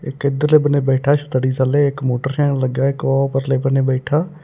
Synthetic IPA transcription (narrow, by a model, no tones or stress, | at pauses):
ɪkɪd̪əɾleːbəneːbɛːʈʰaːʃʰət̪əɽiːzaleːɪkmoːʈəɾʃɛ̃ːnləɡjaːɪkɔːpəɾleːbəneːbɛːʈʰaː